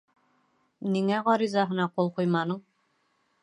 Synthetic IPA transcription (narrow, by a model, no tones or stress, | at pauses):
niŋæʁɑɾizɑɦɤ̆nɑqulˠqujmɑnɤɴ